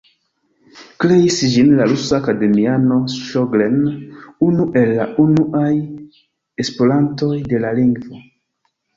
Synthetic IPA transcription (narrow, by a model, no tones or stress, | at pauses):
kle̞isd͡ʒinlaɾusaːkade̞miano̞sʃoɡlenunuʔe̞lːaunuʔaj | espo̞lanto̞jde̞laliŋɡvo̞